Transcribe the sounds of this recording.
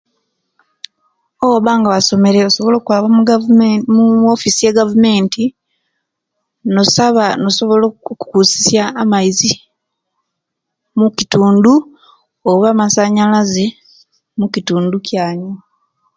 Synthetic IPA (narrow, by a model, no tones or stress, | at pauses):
owoβaːŋɡaβaso̞me̞ɾe̞oso̞βo̞lo̞ːkwaːβa | muofisijeɡavume̞ːnti | no̞saβano̞so̞βolokukusi̥sjaːmajizi | mucituːndu | oβamasaɲalaze̞ | mukituːnducʰjaːɲo